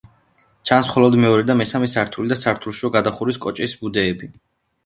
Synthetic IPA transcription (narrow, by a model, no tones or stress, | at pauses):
t͡ʃʰansχɔlɔd̪mɛɔɾɛd̪amɛsamɛsaɾt̪ʰulid̪asaɾt̪ʰulˠʃiɔɡad̪aχuɾiskʼɔt͡ʃʼisbud̪ɛːbi